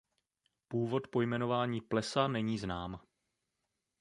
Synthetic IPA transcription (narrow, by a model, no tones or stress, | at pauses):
puːvo̞t̪po̞jmɛno̞vaːɲiːplɛsanɛɲiːznaːm